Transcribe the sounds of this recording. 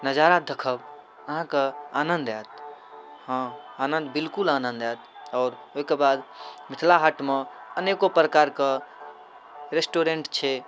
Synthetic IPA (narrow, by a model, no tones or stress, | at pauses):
nəd͡ʒaɾad̪ʱəkʰəb | əɦãkeaːnənd̪ajt̪̚ | hã | anə̃nd̪bilkulanə̃nd̪at̪ɔːɾoɦikebad̪mit̪ʰlaɦaʈmeənekopɾəkaɾke | ɾesʈoɾeɳʈt͡ʃʰe